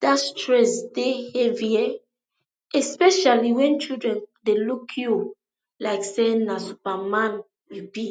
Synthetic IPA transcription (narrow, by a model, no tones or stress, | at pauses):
d̥astɹɛsdeheviɛ | ɛspɛʃaliwɛ̃nt͡ʃidɹɛ̃ndelukʰju | laɪksɛnasupamãn | ɹipit